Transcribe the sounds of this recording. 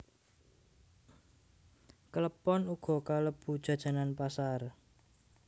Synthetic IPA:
kələpɔnuɡ̥ɔ̤kaləb̥ṳd̥ʒ̥a̤d̥ʒ̥a̤nanpasar

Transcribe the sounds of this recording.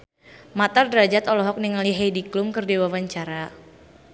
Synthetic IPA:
mat̪ardɾad͡ʒat̪ɔlɔɦɔk̚niŋaliɦajdiklʊmkərdiwawaɲt͡ʃaɾa

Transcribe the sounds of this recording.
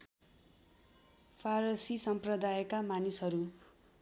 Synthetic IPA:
pʰaɾʌsisʌmprʌd̪ajkamanisɦʌɾu

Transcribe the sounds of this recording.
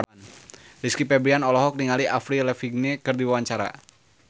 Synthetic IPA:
ndiskipɛbɾianɔlɔɦɔk̚niŋaliʔafɾilɛfiɡ̚nɛkɨrdiwawaɲt͡ʃaɾa̰

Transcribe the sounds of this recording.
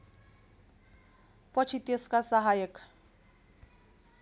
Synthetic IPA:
pʌt͡sʰit̪eskasʌɦajʌk

